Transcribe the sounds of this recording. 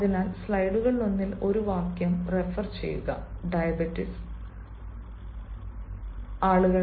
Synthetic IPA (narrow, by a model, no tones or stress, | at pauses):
ðinaːlslɐjɖuɣɐɭonːilo̞ɾuʋaːkjɐmre̞fɐrt͡ɕe̞̰jːṵɣɐ̰ɖɐjɐbitːis | aːɭuɣɐ